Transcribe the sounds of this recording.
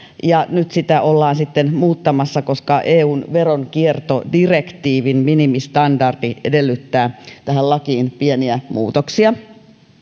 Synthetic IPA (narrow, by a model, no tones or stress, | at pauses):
jɑnyt̪sit̪æʔolːɑːnsit̪ːenmuːt̪ːɑmɑsːɑkoskɑʔeːuːnʋeɾonkiert̪odirekt̪iːʋinminimist̪ɑndɑrd̥iedelːyt̪ːæːt̪æhællɑkiːnpieniæmṵːt̪oksiɑ